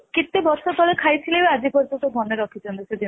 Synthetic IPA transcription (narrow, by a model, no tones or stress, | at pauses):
kit̪ːebɔɾsʰot̪ɔlekʰajtʰilebead͡ʒipɔɾd͡ʒɔt̪obʱɔneɾɔkʰit͡ʃɔnd̪esed̪i